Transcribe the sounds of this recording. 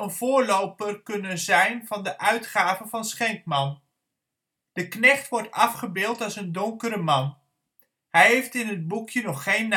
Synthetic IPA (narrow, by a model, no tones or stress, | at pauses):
ənv̥ʊːɹlowpərkɵnənzɛjnvɑndəʔœɥtχaːvəvɑnsχɛŋkmɑn | d̥əknɛχtʋɔɹtɑfχəbɪːlˠtɑlˠsəndʊŋkəɾəmɑn | hɛjɦejftɪnɦəd̚bukʰjənɔχːejnː